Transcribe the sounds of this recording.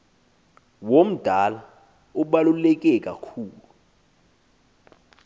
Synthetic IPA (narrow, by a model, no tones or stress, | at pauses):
wom̩d̥ʱala | uɓalulɛk̬ʼɛkʼakʰuːlu